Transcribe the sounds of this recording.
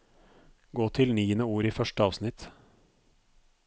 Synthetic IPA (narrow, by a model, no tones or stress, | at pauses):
ɡoːt̪ʰɪlniːənəuːɾiːfœʃʈəɑːʋsnɪt̪